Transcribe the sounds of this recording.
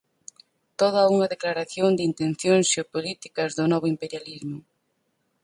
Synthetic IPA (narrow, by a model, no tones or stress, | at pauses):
t̪oðɐuŋɐðeklaɾaθjond̪ɪint̪ẽn̟θjoŋsʃeopolit̪i̥kɐzðʊnɔβ̞oimpeɾjalizmʊ